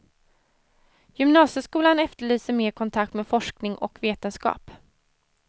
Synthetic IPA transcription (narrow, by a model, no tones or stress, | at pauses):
jʏmnɑːsəskuːlanɛft̪əɭyːsəɾmeːɾkʰɔnt̪ʰak̚t̪meːfɔʂknɪŋʔɔ̰kveːt̪ənskɑ̰ːp